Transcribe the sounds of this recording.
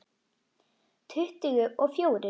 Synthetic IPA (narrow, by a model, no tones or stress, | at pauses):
t̪ʰʏht̪ɪɣʏʔɔɣfjoːwɾɪ